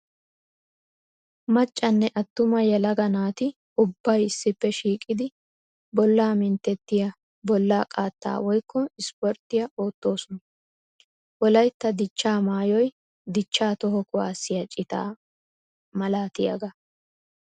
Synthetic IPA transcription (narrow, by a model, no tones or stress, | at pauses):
mɐt͡ʃʼːɐnːɛʔɐt̪ːʊmɐjɐlɐɡɐnaːt̪ɪ | ʊbːɐjɪsːɪpːɛʃiːkʼɪd̪ɪ | bɔlːaːmɪnt̪ɛt̪ːɪjɐ | bɔlːaːkʼaːt̪ːa̰ːwɔjkːɔɪspɔɾt̪ːɪjɐʔoːt̪ːo̞ːsɔnɐ | wɔlɐjt̪ːɐd̪ɪt͡ʃːaːmaːjɔj | d̪ɪt͡ʃːaːt̪ɔɦɔkʊa̰ːsːɪjɐt͡ʃʼɪt̪a̰ː | mɐlaːt̪ɪjɐ̰ɡɐ